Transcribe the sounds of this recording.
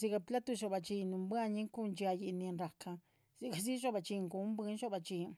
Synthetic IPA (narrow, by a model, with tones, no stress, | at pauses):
zi˧ɡa˧pla˦t̪u˧ʃo˧˨ba˨t͡ʃi˧nu˧mbʷa˦˧ɲi˦ŋku˦nd͡ʒa˧ji˧ni˧nɾa˨ka˧ | z̥i˧ɡa˨zi˦ʒo˦ba˧˨t͡ʃi˧ŋɡu˨˦mbi˧˦nʃo˦ba˨t͡ʃi˧